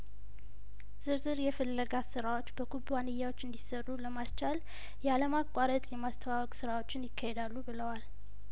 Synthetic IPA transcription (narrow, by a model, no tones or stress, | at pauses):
z̥ɨɾzɨɾjɛfəlːəɡasɨɾawo̞t͡ʃːbəɡubwanɨjːawot͡ʃːɨnd̪isərːuləmast͡ʃal | jɛaləmakʷʼːaɾət̪ʼjɛmast̪ʰəwawɔkʼsɨɾawo̞t͡ʃːɪnjɪkʰːahed̪alːubɨləwal